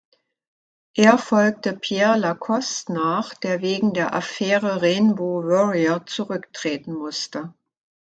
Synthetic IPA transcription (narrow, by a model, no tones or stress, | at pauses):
ʔeːɐfɔlk̚təpʰjɛɐlakʰɔstnaːχd̥eːɐveːɡŋ̩deːɐʔafɛːʁəʁenboːvɔʁiɐt͡suʁʏktʁ̥eːtn̩mʊstə